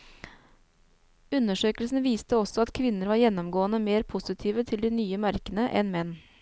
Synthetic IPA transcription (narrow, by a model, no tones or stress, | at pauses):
ʉnːəʂøːkəlsn̩ʋiːst̪əɔsɔɑt̪kʰʋɪnəɾʋɑːɾjɛnːɔmɡoːənəmeːɾpʰʊsɪt̪ʰiːʋət̪ʰɪld̪iːnyːəmæɾkənəʔɛ̰nmɛnː